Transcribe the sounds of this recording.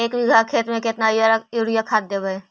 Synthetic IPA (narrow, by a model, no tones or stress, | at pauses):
eːkbʱiɡʱakʰeːt̪mẽkɪt̪najɾoɽijakʰaːd̪ebəe